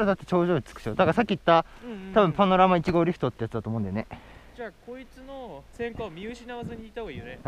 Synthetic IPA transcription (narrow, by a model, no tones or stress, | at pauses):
ɾad̪at̪ːe̞t͡ɕo̞ːʑo̞ːi̥t͡sɨ̥kɯ̥ɕo̞d̪aɡasakʲːiit̪ːat̪abɯ̟̃mpano̞ɾamait͡ɕiɡo̞ːɾʲiɸɯ̟̥t̪ot̪ːejat͡sɨd̪at̪omõnd̪eone | aːkoit͡sɨnosẽ̞ŋkamʲiɯɕinaβazɨɲ̟iit̪ahoɡaiːjone